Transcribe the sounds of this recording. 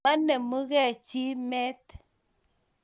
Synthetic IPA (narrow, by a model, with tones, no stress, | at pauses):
a˦nɛ˨mu˦ɣɛ˦˨t͡ʃi˦mɛ˦t